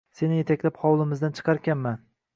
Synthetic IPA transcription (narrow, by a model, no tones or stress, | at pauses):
se̞nɪje̞t̪ʰakʲlaphɒwlˠɪmɪzd̪ant͡ʃʰɨ̥qʰɑɾkʲanman